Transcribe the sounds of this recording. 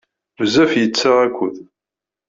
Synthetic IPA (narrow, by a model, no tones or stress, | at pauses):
vəzæfjət͡sːaʁækʷːʊð